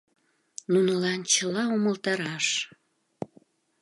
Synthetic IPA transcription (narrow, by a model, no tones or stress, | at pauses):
nunəlɑnt͡ɕəlɑoməlt̪ɑɾɑʃ